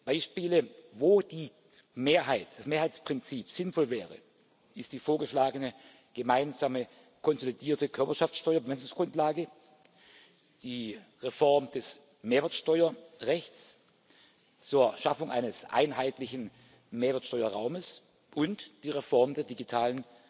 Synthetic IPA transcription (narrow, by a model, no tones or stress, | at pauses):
b̥aɪʃpiːləvoːd̥iː | meːɐɦaɪtd̥asmeːɐɦaɪt͡spʁ̥ɪnt͡siːpz̥ɪnfɔlvɛːʁə̰ | ʔɪstd̥iːfoːɐɡəʃlaːɡənə | ɡ̥əmaɪnzaːmə | kʰɔnzolidiːɐtəkʰœɐpɐʃaft͡ssʃtɔʏɐbəmɛsʊŋsɡ̥ʁʊntlaːɡə | d̥iːʁefɔɐmd̥ɛs | meːɐvɛːɐtʃtɔʏɐʁɛçt͡s | t͡suːɐʃafʊŋʔa̰ɪnəsʔa̰ɪnɦaɪtlɪçn̩ | meːɐvɛɐtʃtɔʏɐʁaʊməs | ʔʊntd̥iːʁefɔɐmdeːɐdiɡitʰaːlən